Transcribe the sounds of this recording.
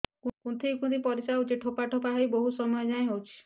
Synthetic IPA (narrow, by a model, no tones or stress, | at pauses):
kukunt̪ʰejkũnd̪ipɔɾisaɦwt͡ʃʰeʈʰopaʈʰɔpaɦajboɦusɔmɔjɔd͡ʒaẽɦewt͡ʃʰi̥